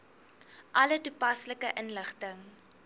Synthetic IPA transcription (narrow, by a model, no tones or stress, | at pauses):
ʔɐlətupɐsləkəʔənləχtəŋ